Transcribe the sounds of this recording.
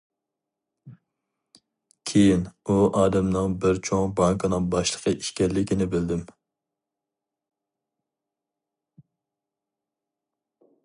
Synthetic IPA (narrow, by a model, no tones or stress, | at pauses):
kʲʰejinuʔɑːd̪ɛmnɨŋbɪɾt͡ʃʰoŋbɑŋkʰɨnɨŋbɑʃlˠə̥qʰəʔiʃkʲɛlːɪkʲinɪbɪld̪ɪm